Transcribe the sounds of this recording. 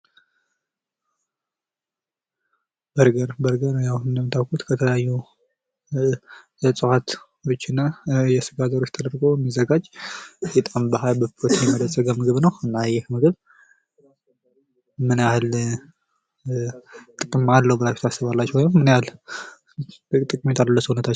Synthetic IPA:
bəɾɡəɾbəɾɡəɾnjahunɨndəmːɨt̪ʰawkʰut̪kʰət̪ʰələjajːu | sʼɨwhat̪wo̞t͡ʃːɨnːajɛsɨɡazəɾo̞t͡ʃːt̪ʰəd̪əɾɡoɛmːizəɡad͡ʒjɛt̪ʼambəɦajbəpot̪ʰijɛməd̪əzʼəɡamɨɡɨβnəwɨnːajːɛhmɨɡɨβ | mɨnjahl | t̪ʼɨkʼɨmːalːəwbəlajfi̥t̪ʰasːɨβalːat͡ʃːwɔjmːɨnjal | t̪ʼɨkʼɨmet̪ʰaləlːəsuhunət̪ʰat͡ʃː

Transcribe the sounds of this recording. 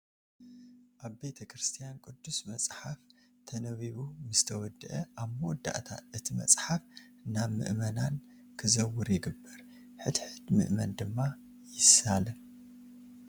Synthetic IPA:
ʔaβbe̞t̪ʰɐkɾɨst̪ʰijankʼɨd̪ːusmɐt͡sʼħaf | t̪ʰɐnɐβiβumɨzɨt̪ʰɐwɔd̪ɨʔɐʔaβmowɔd̪ːa̰ʔt̪ʰa̰ʔɨt̪ʰimɐ̰t͡sʼħafnaβmɨ̰ʔmɐnan | kʰɨzɐwʊɾjɪɡɨbːɐɾ | ħɨd̪ħɨd̪mɨ̰ʔmɐnd̪ɨmːa | jɪsalɐ

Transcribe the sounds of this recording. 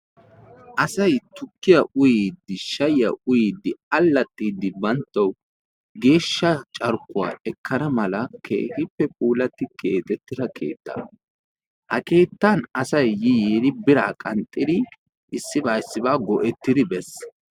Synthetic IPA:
ʔɐsɐjt̪ʊkːɪjɐʔʊjiːd̪ːɪʃɐjɪjɐ̰ʔʊjiːd̪ːɪɐlːɐt̪ʼːiːd̪ːɪbɐnt̪ːɐw | ɡe̞ːʃːɐt͡ʃʼɐɾkːʊwa̰ːɛkːɐnɐmɐlɐkʰḛːhɪpːɛpʼuːlɐt̪ːɪkʰeːt̪ʼɛt̪ːɪd̪ɐkʰe̞̰ːt̪ːa̰ | hɐke̞ːt̪ːanɐsɐjːɪjeːd̪ɪbɪɾaːkʼɐnt̪ʼːɪd̪ɪ | ʔɪsːɪbaːsːɪbaːɡɔʔɛt̪ːɪd̪ɪbɛs

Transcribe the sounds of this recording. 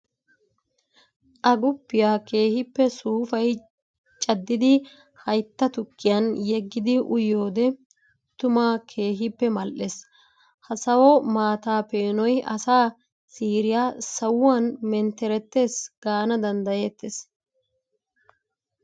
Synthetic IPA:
ʔɐɡʊpːɪjaːke̞ːhɪpːɛsuːfɐj | t͡ʃʼɐd̪ːɪd̪ɪ | hɐjt̪ːɐt̪ʊkːɪjɐnjɛɡːɪd̪ɪʔʊjːo̞ːd̪ɛ | t̪ʊmaːkʰe̞ːɦɪpːɛmɐlʔes | hɐsɐwɔmaːt̪aːpe̞ːnɔjʔɐsaː | siːɾɪjaːsɐwanmɛnt̪ɛɾɛt̪ːe̞ːsɡ̥aːnɐd̪ɐnd̪ɐjeːt̪ːes

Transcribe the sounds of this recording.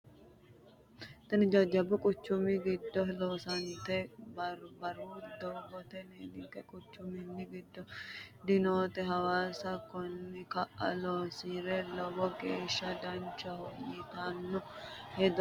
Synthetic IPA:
t̪ɐnɪd͡ʒɐd͡ʒːɐbʊkʼʊt͡ʃːʊmɪɡɪd̪ːɔloːsɐnt̪ɛ | bɐɾud̪ɔbɔt̪ɛneːnɪt̪ɛkʼʊt͡ʃːʊmɪnːɪɡɪd̪ːɔd̪ɪnoːt̪ɛɦɐwaːsɐkɔnːɪkɐʔɐ̰loːsiɾɛlɔbɔɡeːʃːɐd̪ɐnt͡ʃːɐhɔʔit̪anːɔ | hɛd̪ɔ

